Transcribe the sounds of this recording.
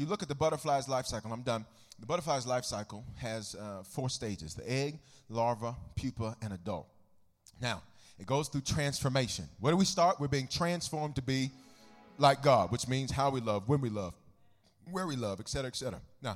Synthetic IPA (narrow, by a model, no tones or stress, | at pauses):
jɨlʊkɨt̪̚ðəbʌɾə˞flaɪəzlaɪfsaɪkl̩ˠãɪ̃mdʌ̃n | ðəbʌɾə˞flaɪzlaɪfsaɪkl̩ˠɨz̥fɔɹsteɪd͡ʒɨ̰zðḭɛɡ̚lɑɹvəpʰj̥ʉpəɨ̃nɨdʌ̰lˠt̚ | naʊ | ɨt̚ɡ̥oʊz̥θɹʉtʰɹ̥æ̃nsfə˞meɪʃɨ̰̃nwə˞ɾəwistɑɹt̚wɨɹbiɪ̃ŋtʰɹ̥æ̃nsfɔɹmtɨbi | laɪk̚ɡ̥ɑd̚wɨt͡ʃmĩnz̥ɦaʊwilʌvwə̃nwilʌv̥ | wə˞wilʌvɨksɛɾə˞ɨɨksɛɾə̰˞ə̰naʊ